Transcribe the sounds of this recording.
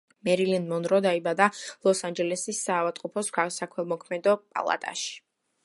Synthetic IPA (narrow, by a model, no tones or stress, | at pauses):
mɛɾilinmɔnɾɔd̪aibad̪alˠɔsand͡ʒɛlɛsisːavat̪ʼqʼɔpʰɔskasakʰwɛmɔkʰmɛd̪ɔpʼa̰lˠa̰t̪ʼa̰ʃi̥